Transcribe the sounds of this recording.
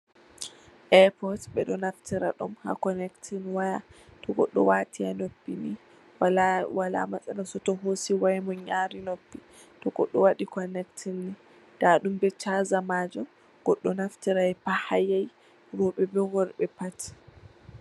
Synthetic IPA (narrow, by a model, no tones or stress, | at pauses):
ʔɛpɔtɓɛɗɔnaftiɾa̰ɗɔmha̰kɔnɛktʰinwajatɔɡɔ̰ɗːɔ̰watʰianopːini | wala̰mat͡sʼɛnasɔtɔɦosiwajmɔɲaːɾinopːi | tɔɡɔɗːɔwaɗikɔnɛktʰinːi | d̥aɗumbɛt͡ʃazamaːd͡ʒɔ | ɡ̥ɔɗːɔnaftiɾaɛpahajaj | ɾɔɓɛbɛɡɔɾɓɛpati̥